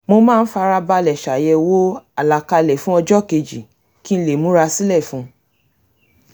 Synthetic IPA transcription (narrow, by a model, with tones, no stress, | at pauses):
mo˧mãː˦˧n̩˦fa˧ɾa˧ba˧lɛ˨ʃa˨jɛ˧wo˦a˨la˨ka˧lɛ˨fũ˦ɔ˧d͡ʒɔ˦˨ke˧d͡ʒi˨ | ki˦n̩˦le˨mũ˨˦ɾa˧si˦lɛ˦˨fũ˨˦